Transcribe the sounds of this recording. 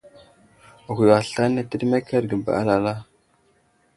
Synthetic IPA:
ɣʷi˨wa˨ɬa˦na˦tə˦dme˦kʰa˦ɾɡə˨ba̰˨ʔa̰˦la˨la˦

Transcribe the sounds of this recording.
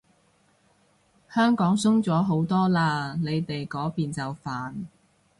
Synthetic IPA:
hœː˥ŋkɔː˨˥ŋsʊ˥ŋt͡sɔː˨˥ɦo˨˥wt̪ɔː˥laː˧ne˨˧jt̪e˨jkɔː˨˥piː˨nt͡sɐ˨wfaː˨n

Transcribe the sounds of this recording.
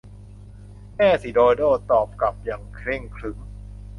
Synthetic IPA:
mɛː˥˩si˨˩˦doː˧doː˥˩t̪ɔː˨˩p̚ka˨˩p̚ja˨˩ŋkʰɾe˥˩ŋkʰlɯ˩˦ŋ

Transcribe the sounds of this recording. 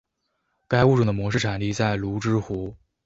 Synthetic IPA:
ka˥ɪu˥˧˩ʈ͡ʂu˥˩d̪ə˩mwɔ˧˥ʂɻ̩˥˩ʈ͡ʂʰa˨˩nli˥˧t͡sa˥˩ɪlu˧˥ʈ͡ʂɻ̩˥xu˧˥

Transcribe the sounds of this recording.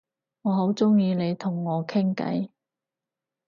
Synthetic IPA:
ŋɔː˨˧ɦo˨˥wt͡sʊ˥ŋjiː˧le˨˧jt̪ʰʊ˨˩ŋːɔː˨˧kʰɪ˥ŋkɐ̰˨˥j

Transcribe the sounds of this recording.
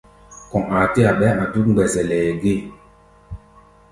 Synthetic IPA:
kɔ˨ŋa˨ti˦a˨ɓɛ˦ʔa˨tu˦kŋ͡mɡ͡bɛ˨sɛ˨lɛ˨ɡi˦˨

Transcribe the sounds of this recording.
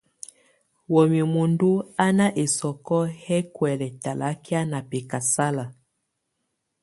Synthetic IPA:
wɔ˨mi˨mu˨ndu˦a˦na˦ʔe˨sɔ˨kɔ˦hɛ˦kwɛ˨lɛ˨ta˨la˦ki˦a˦na˨pɛ˨ka˨sa˦la˨

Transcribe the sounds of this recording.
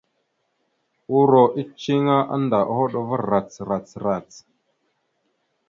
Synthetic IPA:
u˦ɾo˨ʔi˦t͡ʃi˦ŋa˦ʔa̰˦nda˨ʔa˦˨ho˦ɗo˦˨və˦ɾa˨t͡sɾa˨t͡sɾa˨t͡s

